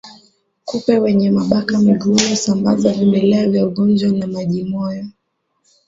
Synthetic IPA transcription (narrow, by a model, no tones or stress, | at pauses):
kupɛwɛɲɛmaɓakamiɡumusambazavimbɛlɛavjauɠɔnd͡ʒwanamaʄimɔjɔ